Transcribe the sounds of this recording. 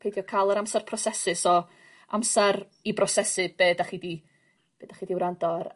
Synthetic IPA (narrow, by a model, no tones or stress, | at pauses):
pʰejdjɔkʰajlˠəɾamsɛrpʰrɔsɛsɨsɔ | a̰msaɾ | ibrɔsɛsɨb̥eːdaχidi | b̥eːd̥aχidiwɾandɔr